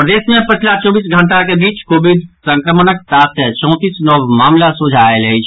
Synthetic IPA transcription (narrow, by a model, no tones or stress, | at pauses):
pd̪esmepət͡ʃʰlat͡ʃɔ̃bisɡʱəɳʈakebit͡ʃkobid̪sə̃ŋkɾəmənəksat̪ʰət͡ʃɔ̃ʊ̃t̪isnɔbmamlasud͡ʒʱaelɦəjt͡ʃʰ